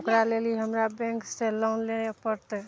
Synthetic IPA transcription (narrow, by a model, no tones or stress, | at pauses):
kɾaleliɦəmɾabɛ̃ŋkselawnleepəɾt̪ɛ